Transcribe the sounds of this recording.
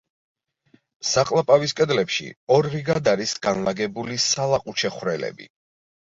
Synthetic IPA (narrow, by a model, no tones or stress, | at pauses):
saqʼlˠapʼaviskʼɛd̪lɛpʃḭɔɾɾiɡad̪aɾisɡanlaɡɛbulisalˠaqʼut͡ʃʰɛχwɾɛlɛ̰bḭ